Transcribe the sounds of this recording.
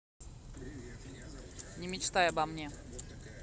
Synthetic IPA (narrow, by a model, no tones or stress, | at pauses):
nʲɪmʲɪt͡ɕt̪ajɐbɐmnʲe